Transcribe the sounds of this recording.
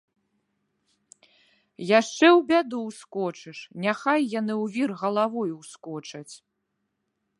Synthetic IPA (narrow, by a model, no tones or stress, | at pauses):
jaʂt͡ʂɛwbʲad̪uwskɔt͡ʂɨʂnʲaxajːanɨwvʲirɣɐlˠavɔjuwskɔt͡ʂɐt͡sʲ